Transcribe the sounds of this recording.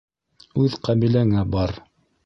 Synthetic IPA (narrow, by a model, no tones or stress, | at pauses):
ʉðqæmilæŋæbɑɾ